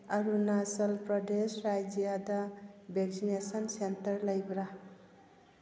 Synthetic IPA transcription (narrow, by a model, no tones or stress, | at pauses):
ɐɾunasəlpɾɔdesɾajd͡ʒijadabeɡzinesɐnsentəɾləjbɾa